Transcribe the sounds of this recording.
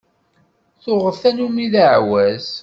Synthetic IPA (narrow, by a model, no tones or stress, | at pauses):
θʊʁəθænumiðaʕwæz